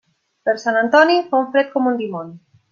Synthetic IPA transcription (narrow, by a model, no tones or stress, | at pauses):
pəɾsanant̪ɔnifauɱfɾɛt̪̚kɔmund̪imon